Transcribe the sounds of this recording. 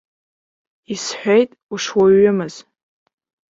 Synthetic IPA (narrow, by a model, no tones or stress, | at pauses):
isħʷᶣejtʼuʂwaɥʊmɨz̥